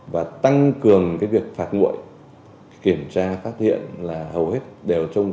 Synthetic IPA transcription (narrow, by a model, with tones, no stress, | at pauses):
vaː˨˩t̪a˧ŋkɨ˨˩əŋkaː˨˦jvi˨˩ək̚faː˦˥t̚ŋṵ˧˨ə˨j | ki˧˩əmt͡ɕaː˧faː˦˥t̚hḭ˧˨ənlaː˨˩hə˨˩whe˦˥t̚ɗe˨˩wt͡ɕə˧wŋ͡m